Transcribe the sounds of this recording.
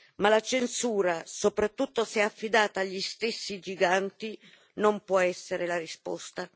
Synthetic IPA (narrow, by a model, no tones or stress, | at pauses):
malat͡ʃensuːɾasopɾat̪ːut̪ːosɛafːid̪aːt̪aːʎːist̪esːid͡ʒiɡant̪i | nompwɔɛsːeɾelaɾispɔ̰st̪a